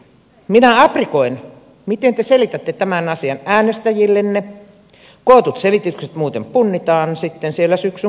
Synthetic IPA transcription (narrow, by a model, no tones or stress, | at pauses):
minæɑprikoin | mit̪ent̪eselit̪æt̪ːet̪æmænɑsiɑnæːnest̪æjilːenne | koˑːt̪ut̪selit̪ykset̪muːt̪empunːit̪ɑːnsit̪ːensielːæsyksy